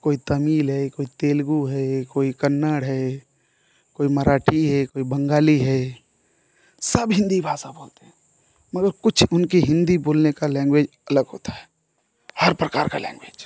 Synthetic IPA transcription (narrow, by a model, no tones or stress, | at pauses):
koːit̪əmiːlɦɛkoːit̪eːlɡuɦɛkoːikənːaɽɦɛ | koːiməɾaːʈʰiɦɛkoːibə̃ŋɡaːliɦɛ | səbɦɪ̃nd̪ibʱaːsaboːlt̪eɦɛ̃ | məɡəɾkʊt͡ʃʰʊnkiɦɪ̃nd̪iboːlnekalɛ̃ːŋɡweːd͡ʒ | ɐləɡɦoːt̪ʰḁɦɛ̥ | həɾpɾəkaːɾka̰lɛ̰̃ːŋɡweːd͡ʒ